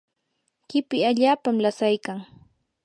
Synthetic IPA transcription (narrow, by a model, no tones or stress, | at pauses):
kɪpɪaʎaːpamlasajkaŋ